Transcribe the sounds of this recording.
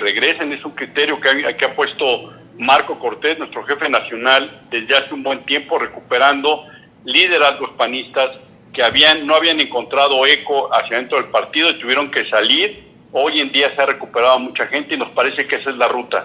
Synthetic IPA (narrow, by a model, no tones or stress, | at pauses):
reɣɾe̞sene̞suŋkɾit̪e̞ɾjo̞keaakeapwe̞st̪o̞ | maɾko̞ko̞ɾt̪e̞znwe̞st̪ɾo̞xe̞fe̞nasjo̞nald̪e̞zðeaseumbwe̞nt̪je̞mpo̞re̞kupe̞ɾand̪o̞ | liðe̞ɾazɣo̞spanist̪as | ke̞aβianːoaβiane̞ŋko̞nt̪ɾað̞o̞e̞ko̞asjaðet̪ɾo̞ð̞elpaɾt̪iðo̞it̪uβje̞ɾo̞ŋke̞saliɾ | o̞je̞nd̪iaseare̞kupe̞ɾaðoamut͡ʃaxe̞nt̪eino̞spaɾe̞se̞keesezlarut̪a